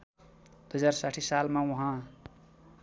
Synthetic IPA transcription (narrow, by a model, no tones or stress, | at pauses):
d̪̥uɦʌd͡zarsaʈʰisalmaũɦã